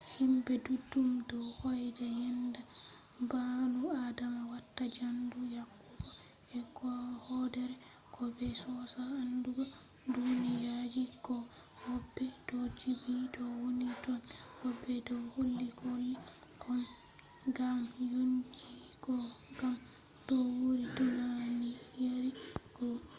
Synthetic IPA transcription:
himbɛdudːumdɔwhɔjdajɛnda | banuadamawatːad͡ʒandujakː | ubɔ | ɛkɔhɔdɛɾɛ | kʰɔbɛsɔsaːnduɡa | dunijad͡ʒikɔ | hɔbːɛdɔd͡ʒibidɔwonitɔnhɔbːɛdɔwholːikolːi | kʰɔn | ɡamjoɲd͡ʒikɔɡam | dɔwoɾidunanijaɾikɔ

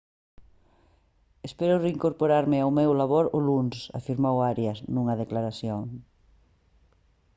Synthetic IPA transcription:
espɛɾʊreiŋkoɾpoɾaɾmɪawmewlaβoɾʊlunsa̰fiɾmowaɾjɐznuŋɐðeklaɾaθjoŋ

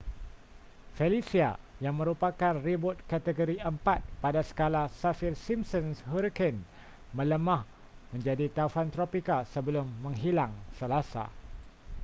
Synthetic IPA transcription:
felisia̰jaŋmə̃ɾupakanribʊt̪̚kat̪əɡoɾiʔəmpat̪̚padasə̥kalasafirsimsɔ̃nshuɾkən | mə̃ləmãh | mə̃ɲd͡ʒadit̪afant̪ɾopikasəbəlʊmːə̃ŋɦilaŋsəlasa̰

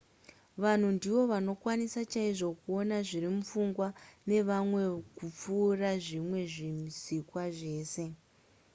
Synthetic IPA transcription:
ʋan̤undiʋo̞ʋano̞kwanisat͡ʃaiʐo̞kuonaʐirimufuŋɡwane̞ʋamwe̞kup͡fuːraʐimwe̞ʐimisikwaʐe̞ːse̞

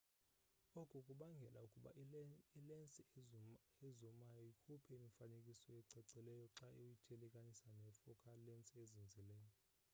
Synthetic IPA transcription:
okʼukʼuɓaŋɡʱɛlʔaukʼuɓa̰ilent͡sʼi | ezɔmajɔikʰupʰɛimifanekʼisɔɛǀɛǀɛlɛjɔǁaeujitʰelɛkʼanisanɛfɔkʰalɛnt͡sʼiezind͡zʱilɛːjɔ

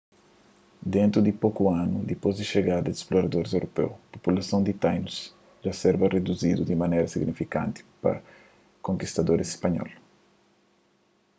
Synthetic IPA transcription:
d̪ẽnt̪ɾud̪ipokuãnud̪ipozd̪iʃeɡad̪ɐd̪isploɾɐd̪oɾzewɾʔopḛwpopulɐsɐ̃ñd̪it̪ajnus | d͡ʒasɛɾbɐred̪uzid̪ud̪imɐnejɾɐsiɡnifikã̰nt̪i̥pɐ̰ | kõŋkist̪ɐd̪oɾisispɐɲɔ̰l

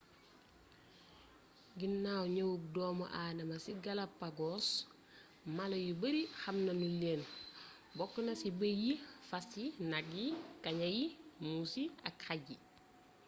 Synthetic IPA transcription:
ɡinːaːwɲɐwuk̚dɔːmɐ̰ʔaːdɐmɐsiɡɐlɐpːaɡɔːs | mɐlɐjubəɾixɐmnɐnuleːn | bɔkːənɐsibəjifɐsinɐɡːikɐɲɐjimusiɐkxaɟi

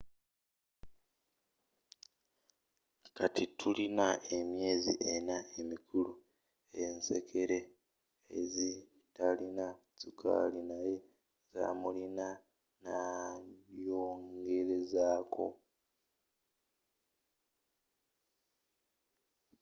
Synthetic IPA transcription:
katitʰulinae̞mje̞ːzḭʔe̞naemikʰulu | e̞nse̞kʰe̞ɾe̞ | ḛzi | talina | t͡sukʰa̰linaje̞ | za̰ːmulina | naβjo̞ːŋɡe̞ɾe̞zaːkʰo̞̰

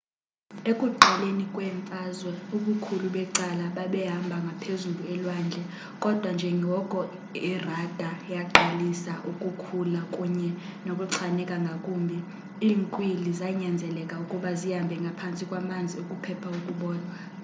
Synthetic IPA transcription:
ekʼuǃʱalenikʼwɛɱfʼazwɛuɓukʰuluɓɛǀalaɓaɓɛɦambʱaŋɡʱapʰezuluɛlwaːnd͡ɮʱɛ | kʼɔd̥ʱwand͡ʒʱɛŋɡʱɔkʼɔ | irad̥ʱajaǃalisaʔukʼukʰulakʼuɲɛnokʼuǀʰanɛkʼaŋɡʱakʼuːmbʱi | iːŋkʼwilizajiɲand͡zʱɛlɛkʼaukʼuɓazijambʱɛŋɡʱapʰant͡sʼikʼwamand͡zʱiokʼupʰɛpʰaukʼuɓɔːna

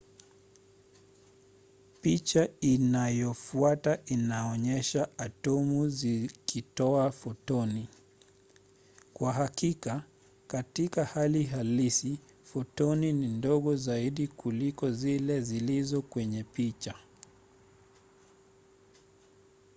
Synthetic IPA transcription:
pit͡ʃainajɔfuataʔinaɔɲɛʃaatɔmuzikʰitɔafɔtɔni | kwaɦakika | katikahaliɦalisi | fɔtɔninindɔɠɔzaiɗikulikɔzilɛzilizɔkwɛɲɛpit͡ʃa

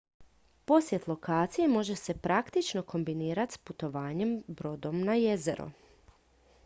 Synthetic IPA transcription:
po̞sje̞t̪lˠo̞kaːt̪sijemo̞ʒe̞se̞pɾakt̪it͡ʃno̞ko̞mbiniːɾat̪sput̪o̞ʋaːɲe̞mbɾo̞d̪o̞mnaje̞zḛɾṵ

